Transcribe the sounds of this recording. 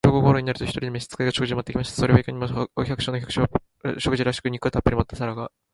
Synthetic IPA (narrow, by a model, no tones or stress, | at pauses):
ɾoːɡoɦoːɾoɲinaɾɯ̟t̪oçi̥t̪oɾʲid̪emeɕi̥t͡sɨ̥kaiɡaɕo̞kɯʑimat̪ːekʲimaɕi̥t̪ḁsoɾeβeikʲoɲ̟imooçʲakɯ̟ɕonoçʲakɯ̟̥ɕo | ɕo̞kɯ̟ʑiɾaɕi̥kɯɲ̟ikɯ̟t̪apːɯ̟ɾʲimoat̪ːasaɾaɡa